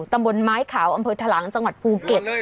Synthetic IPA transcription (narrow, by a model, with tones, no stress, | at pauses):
t̪a˧mbo˧nmaː˦˥jkʰaː˩˦wʔa˧mpʰɤː˧t̪ʰaː˧laː˩˦ŋt͡ɕa˧ŋwa˨˩t̪̚pʰuː˧ke˨˩t̪̚